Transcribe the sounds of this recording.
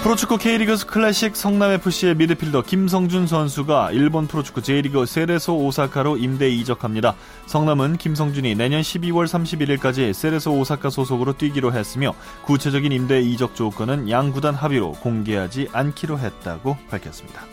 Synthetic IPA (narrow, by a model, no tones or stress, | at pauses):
pʰɯɾot͡ɕʰu̥k͈ʰukʰe̞iɾiɡɯsʰkʰɯɭːeɕ͈ik̚s͈ʰʌŋname̞pʰuɕ͈ie̞midɯpʰiɭdʌkims̬ʰʌŋd͡ʑuns̬ʰʌnsʰuɡaiɭbonpʰɯɾot͡ɕʰu̥kʰut͡ɕeiɾiɡɯs͈e̞ɾe̞sʰoːsʰakʰaɾoimde̞id͡ʑʌkʰamɲida | sʰʌŋnamɯnkims̬ʰʌŋd͡ʑuɲine̞ɲʌnɕʰibiwʌɭsʰamɕʰibiɾiɭk͈ad͡ʑis͈e̞ɾe̞sʰoːsʰakʰasʰosʰoɡɯɾot͈wiɡiɾoɦe̞s͈ɯmjʌ | kut͡ɕʰe̞d͡ʑʌɡinimde̞id͡ʑʌk̚t͡ɕ͈ok͈ʌnɯnjaŋɡudanɦabiɾo̰koŋɡe̞ɦad͡ʑiʔankʰiɾoɦe̞t̚t͈a̰ɡopaɭkʰjʌs͈ɯmɲid̥ḁ